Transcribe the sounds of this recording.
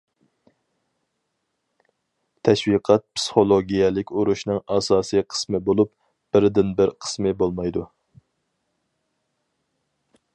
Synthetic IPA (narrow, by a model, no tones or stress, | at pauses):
t̪ʰɛʃwiqʰɛt̪̚pʰsɨ̥χolˠoɡʲijɛlɪkʲuɾuʃnɨŋɑsɑːsɨqʰə̥smɨbolˠup | b̥ɪɾd̪ɪnbɪɾqʰə̥smɪbolˠmɑjd̪u